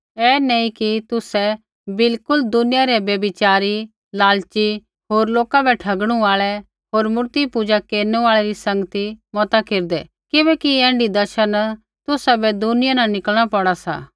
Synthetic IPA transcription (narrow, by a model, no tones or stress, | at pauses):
ɛːneĩkit̪ʊsɛ | bɪlkʊld̪ʊnɪjaɾɛbjɐbɪt͡ʃaːɾi | laːlt͡ʃi | ɦoːɾloːkabɛʈʰɐɡɽ̃ũaːɭɛ | ɦoːɾmʊɾt̪ipud͡ʒakeːɾnuaːɭɛɾisɐ̃ŋɡət̪imɔt̪akeːɾd̪ɛ | kɪbɛːkiɛ̃ːɳɖid̪ɐʃən | t̪ʊsabɛd̪ʊnɪjanãnɪkəlɽ̃apɐɽasa̰ː